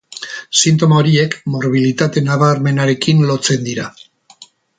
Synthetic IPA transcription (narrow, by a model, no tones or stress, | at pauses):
sint̪o̞maoɾie̞kmo̞ɾβ̞ilit̪at̪e̞naβaɾme̞naɾe̞kinlo̞t͡se̞nd̪iɾa